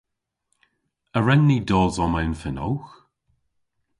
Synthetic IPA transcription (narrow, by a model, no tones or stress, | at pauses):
əɹɛnːiːdɔːzɔmanfɪnɔwx